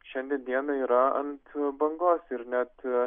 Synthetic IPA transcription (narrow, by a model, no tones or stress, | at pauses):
ʃʲɛnʲd̪ʲɛnd̪ʲiɛnɐiːɾɐɐ̰nt̪bɐŋɡoːsɪɾnʲæt̪